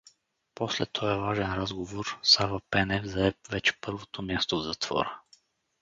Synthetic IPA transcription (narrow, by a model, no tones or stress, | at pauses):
poslɛt̪ʰɔɛvaʒɛnɾazɡovoɾsavapɛnɛvzɐaɛpvɛt͡ʃɛ̥pɤɾvot̪omʲjast̪ovzɐt̪v̥ɔ̰ɾə